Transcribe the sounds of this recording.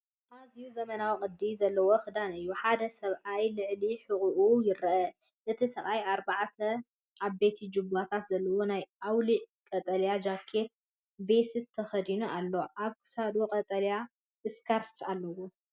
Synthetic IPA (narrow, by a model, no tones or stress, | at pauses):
ʔazijuzɐmɐnawkʼɨd̪izɐlːɐwoxɨd̪anɨjːuħad̪ɐsɐβʔajlɨʕliħɨkʼuʔujɪɾɐʔɐ | ʔɨt̪ʰisɐβʔajaɾbaʕt̪ʰɐ | ʔaβbe̞t̪ʰid͡ʒɨbat̪ʰat̪zɐlːɐwo̞najʔawliʕkʼɐt̪ʼɐljad͡ʒakʰːe̞t̪̚ | vesɨt̪ʰːɐxɐd̪inuʔalːo̞ʔaβkʰɨ̥sad̪okʼɐt̪ʼɐlja | ɨskʰaɾsalːɐwu